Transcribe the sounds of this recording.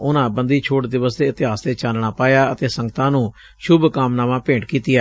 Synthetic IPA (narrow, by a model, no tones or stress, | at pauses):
ʊnãːbə̃nd̪iːt͡ʃʰoːʈd̪ɪʋəst̪eːɪt̪ɪɦaːsd̪eːt͡ʃaːlɽaːpaːjaːət̪eːsə̃ŋɡt̪ãːnũː | ʃʊbkaːmnaːʋãːpẽːɳʈkiːt̪ɪjaː